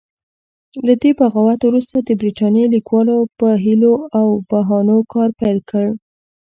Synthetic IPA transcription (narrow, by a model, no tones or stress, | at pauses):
lad̪ebaɣawat̪wɾust̪ad̪əbɾiʈɑnjelikwɑlopəɦiloawb̥aɦɑnokɑɾpajlkəɽ